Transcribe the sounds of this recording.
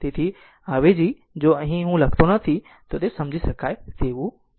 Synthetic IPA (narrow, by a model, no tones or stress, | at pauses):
t̪eːt̪ʰi | aːʋed͡ʑiː | d͡ʑoːɐɦĩɦũlɐɡt̪onɐt̪ʰi | t̪ot̪esɐ̃md͡ʑʱisɐkʰaːet̪eːʋu